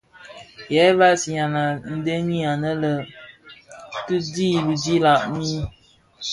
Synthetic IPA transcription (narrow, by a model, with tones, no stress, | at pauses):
jɛ˨˦βa˦si˨ɲa˨na˨n̩˦de˦ɲi˦a˨nə˦lə˨ | tɨ˦diː˦˨bɨ˨d͡ʒi˦la˨ʔmi˦